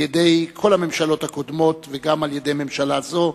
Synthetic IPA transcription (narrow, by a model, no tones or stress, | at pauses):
jedejkʰo̞lame̞mʃalo̞thakod̪mo̞t̪veɡamaljedejme̞mʃalazo̞